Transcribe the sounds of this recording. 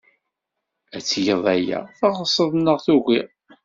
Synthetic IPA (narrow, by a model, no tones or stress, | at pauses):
æt͡sːjəðˤæjæ̰θɑʁəsˤːəðˤnːəʁθuʝiʁ